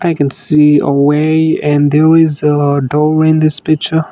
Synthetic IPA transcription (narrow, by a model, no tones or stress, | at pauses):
ʔaɪkɨ̃nsiə̰weɪɨ̃nðɛɹɪzədɔɹɪ̃nðɪspɪk̚t͡ʃə˞